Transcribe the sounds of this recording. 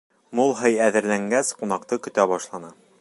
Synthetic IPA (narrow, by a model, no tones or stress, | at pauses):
mulˠɦɤjæðɘ̆ɾlæŋɡæsqunɑqt̪ɤkɵ̆t̪æbɒʃlˠɑnɤ